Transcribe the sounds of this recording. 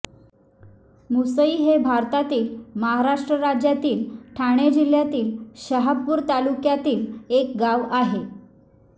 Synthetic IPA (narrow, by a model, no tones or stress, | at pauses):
musəiːɦebʱaɾt̪at̪iːlməɦaɾaʂʈɾəɾad͡ʑjat̪iːlʈʰaɽ̃ed͡ʑil̤jat̪iːlɕəɦapːuːɾt̪alukjat̪iːlek̚ɡaʋaɦe